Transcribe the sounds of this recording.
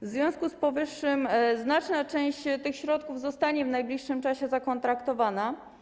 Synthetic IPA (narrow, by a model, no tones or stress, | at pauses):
vzvʲjɔ̃w̃skuspɔvɘʂːɘmznat͡ʂnat͡ʂɛ̃w̃ɕt͡ɕt̪ɘxɕɾɔt̪̚kuvzɔst̪aɲɛvnajblʲiʂːɘmt͡ʂaɕɛzakɔnt̪ɾakt̪ɔvana